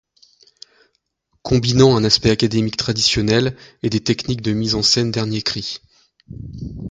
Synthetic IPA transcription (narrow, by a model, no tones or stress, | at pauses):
kʰɔ̃binɑ̃ɛ̃naspɛakad̪emikt̪χad̪isjɔnɛled̪et̪ɛknik̚d̪əmizɑ̃sɛnd̪ɛʁnjekχi